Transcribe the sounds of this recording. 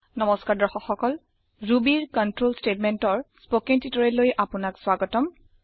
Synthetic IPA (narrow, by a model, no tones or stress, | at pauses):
nɔmɔskaɹdɔxɔxɔkɔl | ɹubiɹkɔntɹolstetmɛntɔɹspokiŋtitɔɹɛlojʔapʊnakswaɡɔtɔm